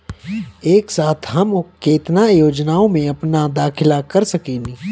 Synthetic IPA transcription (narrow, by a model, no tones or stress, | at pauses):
eːksaːt̪ʰɦɐmkeːt̪najoːd͡ʒnaːõmẽɐpnad̪aːkʰɪlakɐɾsɐkeːni